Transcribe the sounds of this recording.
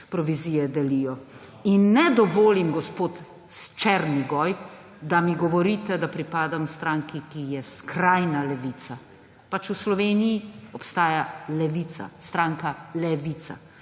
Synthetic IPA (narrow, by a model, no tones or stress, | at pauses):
pɾɔʋiziːjɛd̪ɛlijɔ | inːɛd̪ɔʋoːlimɡɔspoːt̪ | st͡ʃɛɾniɡɔj | d̪amiɡɔʋɔɾit̪ɛd̪apɾipaːd̪amst̪ɾaːŋkikijɛskɾajnalɛʋiːt̪sa | pat͡ʃuslɔʋeːnijiɔpst̪aːjalɛʋit̪sa̰st̪ɾaːŋkalɛʋit̪sa̰